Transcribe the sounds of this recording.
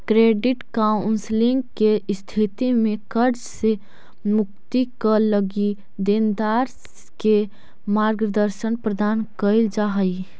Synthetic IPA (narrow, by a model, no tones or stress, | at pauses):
kɾeɖɪʈkaʊnslɪ̃ŋɡkest̪ʰit̪imẽkəɾd͡ʒse | mʊk̚t̪ikələɡi | d̪end̪aːɾ | ke | maɾɡd̪əɾʃənpɾəd̪aːnkəɪld͡ʒaɦəi